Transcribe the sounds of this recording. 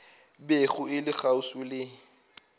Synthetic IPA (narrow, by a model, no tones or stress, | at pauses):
beɣʊɪlɪɣausʊlɪ